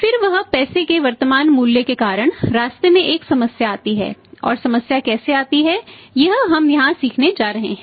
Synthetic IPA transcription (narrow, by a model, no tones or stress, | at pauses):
fɪɾʋɐɦpɛːsekeʋɐɾt̪əmaːnmuːljəkekaːɾəɽ̃ɾaːst̪emẽʔeːksɐməsjaaːt̪iɦɛ̰ːɔ̰ːɾsɐməsjakɛːseaːt̪iɦɛjɐɦɦɐmjɐɦãsiːkʰned͡ʒaːɾɐɦḛɦɛ̃ː